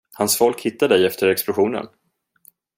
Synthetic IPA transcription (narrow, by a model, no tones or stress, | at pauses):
hansfɔlkhɪt̪ːaɖ̪ɛjɛft̪əɾɛksplʊɧuːnə̰n